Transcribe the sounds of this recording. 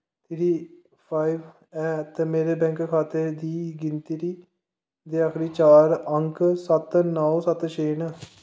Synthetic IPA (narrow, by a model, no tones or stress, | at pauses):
t̪ʰiʈiː | pʰaːiʋ | ɛːt̪eːmeːɾeːbɛ̃ːŋkkʰaːt̪ed̪iːɡɪnt̪iɾiː | d̪iːaːxɾiːt͡ʃaːɾəŋksət̪nɔːosət̪ʃeːn